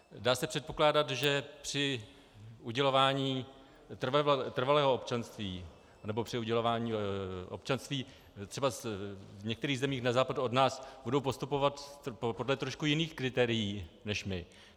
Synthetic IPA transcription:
daːsɛpr̥ɛt̪̚po̞klaːdat̪ʒɛpr̝̥ɪ | ʔuɟɛlo̞vaːɲiː | t̪rvt̪r̩valɛːɦoopt͡ʃanst̪viː | anɛbo̞pr̥ɪuɟɛlo̞vaːɲiːʔo̰pt͡ʃanst̪viː | t̪r̥ɛbasvɲɛkt̪ɛɾiːɣzɛmiːxnazaːpaduodnaːsbudowpo̞st̪upo̞vat̪po̞dlɛt̪ɾo̞ʃkujɪniːxkɾɪt̪ɛːɾɪjiːnɛʃmɪ

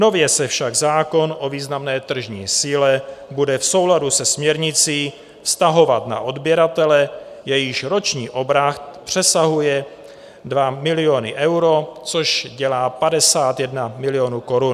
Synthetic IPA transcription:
no̞vjɛsɛfʃaɡzaːko̞nʔo̞viːznamnɛːt̪r̩ʒɲḭːsiːlɛbudɛfso̞wladusɛsmɲɛɾɲɪt͡siː | fst̪aɦo̞vat̪na̰ʔo̞dbjɛɾat̪ɛlɛ | jɛjɪʃɾo̞t͡ʃɲiːʔo̞bɾaxt̪pr̝̥ɛsaɦujɛ | dvamɪlɪo̞nɪʔɛwɾo̞t͡soʃɟɛlaːpadɛsaːt̪jɛdnamɪlɪjo̞nuːko̞ɾun

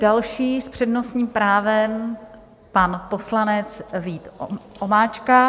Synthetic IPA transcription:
d̥alʃiːspr̝̥ɛdno̞sɲiːmpɾaːvɛm | panpo̞slanɛt͡sviːt̪ʔomaːt͡ʃka

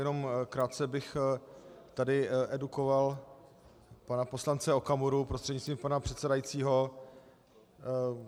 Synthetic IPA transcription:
jɛno̞mkɾaːt̪t͡sɛbɪx | t̪adɪʔɛdukoval | panapo̞slant͡sɛo̞kamuɾupɾost̪r̥ɛdɲɪt͡st̪viːmpanapr̝̥ɛt̪sɛdajit͡siːɦo̞

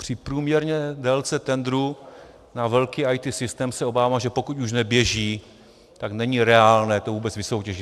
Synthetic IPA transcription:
pr̥ɪpɾuːmɲɛɾɲɛdɛlt͡sɛt̪ɛnd̪ɾu | navɛlkiːajt̪ɪsɪst̪ɛːmsɛo̞baːvaːʒɛpo̞kucuʃ̬nɛbjɛʒiː | t̪aknɛɲiɾɛaːlnɛːt̪ovuːbɛt͡svɪso̞wcɛʒɪ

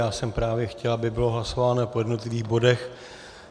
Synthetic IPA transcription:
jaːsɛmpɾaːvjɛxcɛlabɪbɪloɦlaso̞vaːnopo̞jɛdno̞t̪lɪviːɣbo̞dɛx

